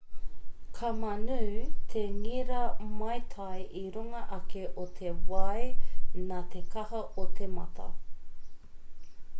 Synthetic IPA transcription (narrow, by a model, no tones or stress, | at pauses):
kʰɐmɐnʉːt̪ʰeŋiɾɐmɐjt̪ʰɐjʔiɾuŋɐʔɐkʰeʔot̪ʰewɐjnat̪ʰekʰɐhɐʔotʰemɐ̰tʰɐ̰